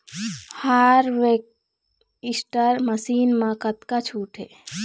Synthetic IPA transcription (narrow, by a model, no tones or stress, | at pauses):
haɾʋek̚ | isʈəɾməsiːnmãkət̪kat͡ʃʰuːʈʰe